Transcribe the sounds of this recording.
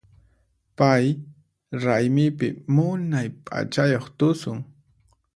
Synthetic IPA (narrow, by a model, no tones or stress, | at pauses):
paj | ɾajmɪpɪ̰mʊnajpʼa̰t͡ʃajoχt̪ʊsʊŋ